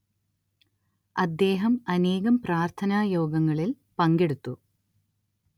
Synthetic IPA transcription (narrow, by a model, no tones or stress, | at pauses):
ɐd̪ːe̞ːɦɐmɐne̞ːɣɐmpraːrt̪ʰɐnaːjo̞ːɡɐŋːɐɭil | pɐŋɡe̞ɽut̪ːu